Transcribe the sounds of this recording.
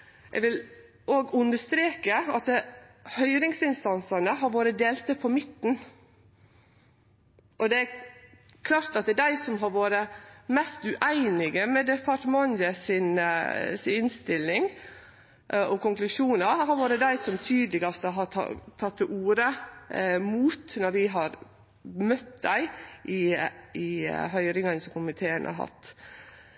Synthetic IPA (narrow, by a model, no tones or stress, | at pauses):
ʔɛ̰ɡʋɪl | ʔoːɡʉnd̪əʂt̪ɾeːkəɑt̪əhœʏɾɪŋsɪnst̪ɑnsɑnəɦɑɾʋoːɾəd̪eːlt̪əpʰɔmɪt̪ːn̩ | ʔɔd̪ɛæ | kʰlɑːɾt̪ɑt̪̚d̪əd̪æɪsɔmɦɑɾʋoːɾəmɛst̪ʉʔæɪnɪɡəmɛd̪ɛpʰɑɾʈəmɑnəsɪnsɪɪnst̪ɪlːɪŋ | ɔkʊŋklʉʂuːnɑɾhɑɾʋoːɾəd̪æɪsɔmt̪ʰyːd̪lɪɡɑst̪əɦɑ̰t̪ʰɑt̪ʰːɪʔuːɾə | muːt̪nɔɾʋɪɦɑɾ | mœt̪d̪æɪʔɪɪɦœʏɾɪŋɑnsɔmkʊmɪt̪ʰeːənʔɑ̰ɾɦɑ̰t̪ː